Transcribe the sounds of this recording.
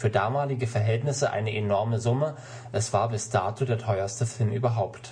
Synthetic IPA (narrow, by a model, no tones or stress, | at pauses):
fyːɐdaːmaːlɪɡəfɛɐɦɛltnɪsəʔa̰ɪnəʔenɔɐməzʊmə | ʔɛsv̥aːɐbɪsd̥aːtʰuːdeːɐtʰɔʏɐstəfɪlmʔy̰ːbɐɦaʊpt